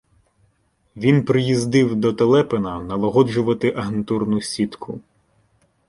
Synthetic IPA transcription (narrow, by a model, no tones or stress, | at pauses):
ʋʲinpɾɪjizd̪ɪwd̪ɔt̪elˠɛpenɐnɐlˠɔɦɔd͡ʒʊʋɐt̪ɪʔɐɦent̪urnʊsʲit̪kʰʊ